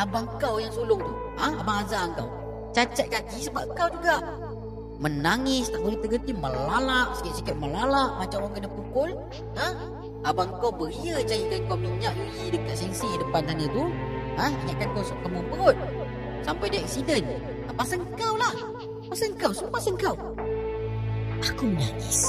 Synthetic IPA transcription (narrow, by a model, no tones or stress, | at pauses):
abaŋkawjaŋsulʊht̪u | aabaŋazaŋka̰w | t͡ʃat͡ʃat̪̚kat̪isəbap̚kawd͡ʒuɡaʔ | mənaŋɪst̪aʔbəɾit̪əɡət̪iməlalaʔsi̥kɛt̪ʔ̪̚sikɛʔ̪̚məlalaʔmat͡ʃamwaŋkənəkukʊl | a | abaŋkowbəɾiət͡ʃaidənkawmiɲaʔdəjidək̚t̪aʔsɛnsiidəpant̪aɲət̪uə̃iɲaʔkankawsuʔkəmubəɣʊt̪̚ | sampajdiəɛk̚sidən | t̪apasəŋkawlah | pasəŋkawsəmupasəŋkaw | ʔakumənaŋɪ̰s